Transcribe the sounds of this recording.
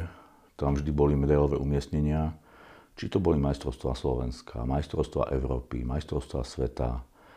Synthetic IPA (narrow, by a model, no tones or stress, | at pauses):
t̪amvʒd̪ibɔlimɛd̪ajlɔʋɛʔumɪɛsɲɛɲɪa | t͡ʃit̪ɔbɔlimajst̪ɾɔʊst̪ʋaslɔʋɛ̰nskʰa̰majst̪ɾɔʊst̪ʋa̰ʔɛʊɾɔːpḭmajst̪ɾɔʊst̪ʋa̰sʋɛt̪a̰